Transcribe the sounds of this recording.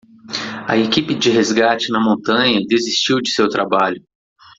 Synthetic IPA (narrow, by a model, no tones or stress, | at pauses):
ɐ̰ekipɪd͡ʒɪɦezɡat͡ʃɪnɐmõnt̪ɐ̃ɲɐd̪ezist͡ʃiwd͡ʒɪsewt̪ɾabaʎʊ